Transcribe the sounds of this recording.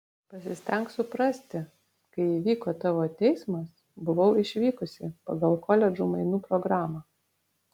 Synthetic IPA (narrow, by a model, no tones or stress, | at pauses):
pɐsʲɪsʲt̪ʲɛŋksʊpɾɐsʲt̪ʲɪ | kɐɪiːʋʲiːkoːt̪ɑːʋoːt̪ʲɛɪsmɐs | bʊʋɐʊɪʃʲʋʲiːkʊsʲɪpɐ̰ɡɐlˠkɔːlʲɛd͡ʒuːmɐɪnuːpɾɔɡɾɑːmɑː